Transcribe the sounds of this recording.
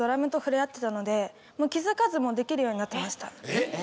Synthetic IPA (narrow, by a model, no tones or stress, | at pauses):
o̞ɾamɯ̟t̪o̞ɸɯ̟ɾejat̪ːe̞t̪ano̞d̪e̞ | moːkʲizɨkazɨmo̞d̪e̞kʲiɾɯ̟jo̞ːɲ̟inat̪ːe̞maɕi̥t̪a